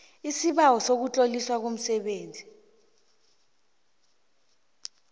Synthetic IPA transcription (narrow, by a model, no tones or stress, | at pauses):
isiɓawɔsok̬ut͡ɬʼoliswak̬om̩sɛɓeːnd͡zʱi